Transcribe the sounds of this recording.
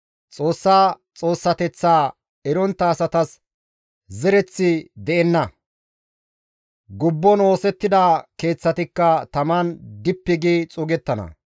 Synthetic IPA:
t͡sʼo̞ːsːaː | t͡sʼo̞ːsːɐt̪ɛt͡sːaː | ɛɾɔnt̪ːɐːsɐt̪ɐs | zɛɾɛt͡sːɪd̪ɛʔɛnːɐ | ɡʊbːɔno̞ːsɛt̪ːɪd̪ɐːke̞ːt͡sːɐt̪ɪkːɐt̪ɐmɐnd̪ɪpːɪɡiːt͡sʼʊɡɛt̪ːɐnɐ̰

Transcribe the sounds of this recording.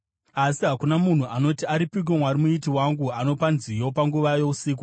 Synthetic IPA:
asiɦakunamun̤uʔano̞tiaɾipiɡ̬omwaɾimuitiwaŋɡuano̞panzijo̞paŋɡuʋajo̞usiːk̬u

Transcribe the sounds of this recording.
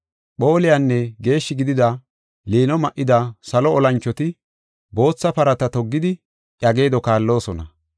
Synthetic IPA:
ɓo̞ːlɪjanːɛɡe̞ːʃːɪɡɪd̪ɪd̪ɐ | leːnɔmɐʔɪd̪ɐsɐlɔɔlɐnt͡ʃːɔt̪ɪ | bo̞ːt͡sːɐpɐɾɐt̪ɐt̪ɔɡːɪd̪ɪ | ʔjɐɡe̞ːd̪ɔkaːlːo̞ːsɔnɐ̰

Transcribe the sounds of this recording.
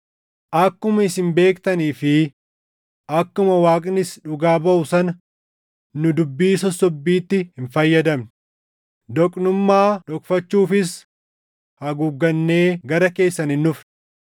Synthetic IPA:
ʔɐkːʊmɐɪsɪnbe̞ːkt̪ɐniːfɪ | ʔɐkːʊmɐwaːkʼnɪsᶑʊɡaːbɐʔʊsɐnɐ | nʊd̪ʊbːiːsɔsːɔbːiːt̪ːɪhɪnfɐjːɐd̪ɐmɪ | d̪ɔkʼnʊmːaːd̪ɔkʼfɐt͡ʃːuːfɪs | hɐɡʊɡːɐnːe̞ːɡɐɾɐke̞ːsːɐnɪnːʊf

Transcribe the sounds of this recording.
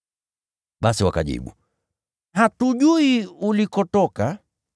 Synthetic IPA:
ɓasiwakaʄḭɓṵ | hatuʄuiulikɔtɔka

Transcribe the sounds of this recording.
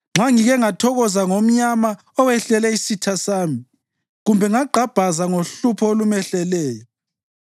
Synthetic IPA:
ŋ͡ǁʱaŋiɣɛŋatʰɔɣɔzaŋom̩ɲama | ɔwɛɬɛlɛisitʰasaːmi | ɣumbʱɛŋaǃʱab̥ʱazaŋoɬupʰɔolumɛɬɛlɛːjɔ

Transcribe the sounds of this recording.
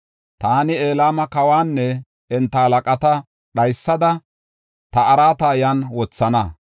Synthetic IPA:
t̪aːnɪe̞ːlaːmɐkɐwaːnːɛ | ɛnt̪ːɐhɐlɐkʼɐt̪ɐ | ɗɐjsːɐd̪ɐ | t̪ɐɐɾaːt̪aːjɐnwɔt͡sːɐnɐ

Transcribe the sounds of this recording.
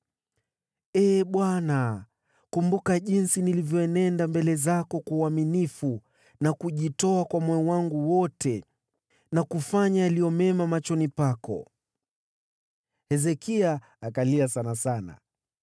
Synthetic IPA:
ɛːɓwana | kumbukaʄinsinilivjɔɛnɛndambɛlɛzakɔkauaminifu | nakuʄitɔakwamɔjɔwaŋɡuwɔtɛ | nakufaɲajalijɔmɛmamat͡ʃɔnipakɔ̰ | hɛzɛkiaː | kaliasanasana̰

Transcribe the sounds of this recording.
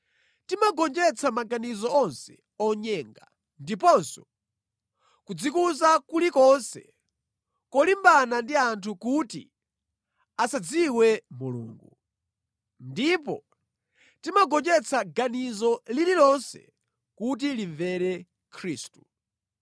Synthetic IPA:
timaɡɔnd͡ʒɛt͡sʰamaɡanizɔɔnsɛ̥ | ɔɲɛːŋɡa | ndip̬ɔnsɔ | kud͡zikuzakulikɔnsɛ̰ | kɔlimbanandiantʰukutḭ | asad͡ziwɛmulṵːŋɡu | ndipɔ̰ | timaɡɔnd͡ʒɛt͡sʰaɡanizɔlililɔnsɛ̰ | kut̬iliɱvɛɾɛ | kʰɾiːstu

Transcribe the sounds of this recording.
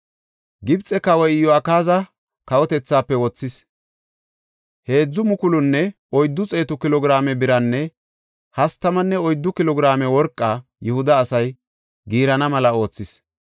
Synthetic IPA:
ɡɪbt͡sʼːɛkɐwɔjɪjɔɐkaːzɐ | kɐwɔt̪ɛt͡sːaːpːɛwɔt͡sːɪs | he̞ːd͡zːʊmʊkʊlʊnːɛ | ɔjd̪ːʊt͡sʼe̞ːt̪ʊkɪlɔɡɪɾaːmɛbɪɾɐnːɛ | hɐst̪ɐmɐnːɛɔjd̪ːʊkɪlɔɡɪɾaːmɛwɔɾkʼːaː | jɛhʊd̪ɐːsɐj | ɡiːɾɐnɐmɐlɐo̞ːt͡sːɪs

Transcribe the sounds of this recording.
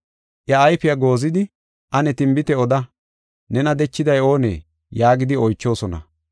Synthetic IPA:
ʔɐːjfɪjɐɡo̞ːzɪd̪ɪ | ʔɐnɛt̪ɪmbɪt̪ɛɔd̪ɐ | nɛnɐd̪ɛt͡ʃːɪd̪ɐjo̞ːnḛː | jaːɡɪd̪ɪɔjt͡ʃːo̞ːsɔnɐ̰

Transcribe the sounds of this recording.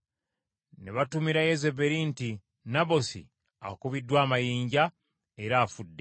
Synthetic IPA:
neβatumiɾajezebe̞ɾinti | naβo̞sḭ | a̰kuβidːwaːmajiːɲɟa | eɾaːfudːe

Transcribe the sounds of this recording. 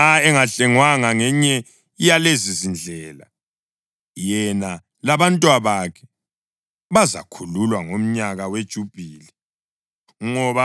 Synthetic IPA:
aɛŋaɬɛŋwaŋaŋɛɲɛ | ijalezizind͡ɮʱɛːla̰ | jɛna | laβantʼwaβakʰɛ̥ | βaza̰kʰululwaŋom̩ɲaɣawed̥ʒ̥ʱub̥ʱiːlɛ | ŋɔβa

